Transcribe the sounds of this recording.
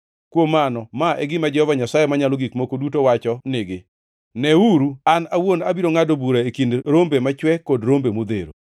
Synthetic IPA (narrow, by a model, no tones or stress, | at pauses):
kwomːanɔmaʔɛɡɪmad͡ʒɛhɔvaɲasajɛmaɲaloɡikmokodutowat͡ʃɔnɪɡɪ | nɛuɾuanawonabiɾoŋadobuɾaekindɾombemat͡ʃwɛkodɾombemod̪eɾo̰